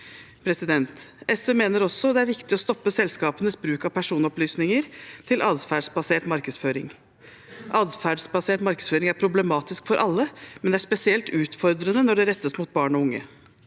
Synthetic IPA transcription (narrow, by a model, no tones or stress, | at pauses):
pʰɾɛsɪd̪ɛnt̪ɛsəmeːnəɾɔsːɔd̪ɛæɾʋɪkt̪ɪɔst̪ɔpːəsɛlskɑːpənəsbɾʉːkɑʋpʰæʂuːnɔplyːsnɪŋəɾt̪ʰɪlʔɑːd̪fæːɖsbɑseːʈmɑɾkəsføːɾɪ̰ŋ | ʔɑːd̪fæːɖsbɑseːʈmɑɾkəsføːɾɪŋæɾpʰɾʊblɛmɑːt̪ɪskfɔɾʔɑlːəmɛnd̪ɛæʂpɛsɪɛlt̪ʉːt̪fɔɾd̪ɾənənɔɖɛɾɛt̪ːəsmut̪̚bɑːɳɔʊŋːə